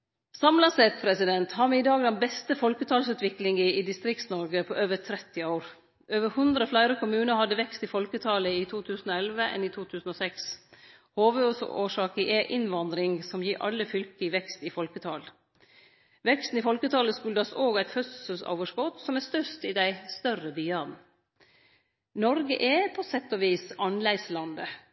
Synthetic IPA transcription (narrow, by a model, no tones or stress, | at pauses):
sɑmlɑsɛt̪̚pʰɾɛsɪd̪ɛnt̪hɑːɾʋɪɪd̪ɑːɡlɑnbɛst̪əfɔlkət̪ʰɑːlsʉːt̪ʋɪklɪŋəid̪ɪst̪ɾɪk̚t̪snɔɾɡəpʰoːʔøːʋət̪ʰɾɛt̪ːɪɑʊɾ | øːʋəɾhʉnd̪ɾəflæɪɾəkʰʊmʉːnəhɑd̪ːəʋɛkst̪ɪfɔlkət̪ʰɑːləit̪ʰuːt̪ʰʉːsn̩oːɛlʋəʔɛ̰niːt̪ʰuːt̪ʰʉːsn̩oːsɛks | hoːʋəoːsoːʂɑːkəʔɛʔɪnʋɑnd̪ɾɪŋsɔmjiːɾʔɑ̰lːəfʏlkɪʋɛkst̪ɪfɔlkət̪ʰɑːl | ʋɛkst̪n̩ifɔlkət̪ʰɑːləskʉld̪ɑsoːɡæɪt̪fœsəlso̰ʊʋəʂkɔt̪sɔmæst̪œʂt̪ɪd̪æɪst̪œrəbyːɑd̪n̩ | nɔɾɡəʔɛpʰɔsɛt̪ːɔʋiːsɑnlæɪslɑnd̪ə